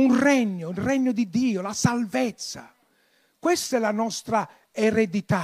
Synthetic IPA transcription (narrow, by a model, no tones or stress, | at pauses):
unrɛɲːʊilrɛɲːʊd̪id̪ːiːʊlasalvɛt̪sːa̰ | kwɛst̪ɛlanɔst̪ɾa | ɛɾɛd̪it̪a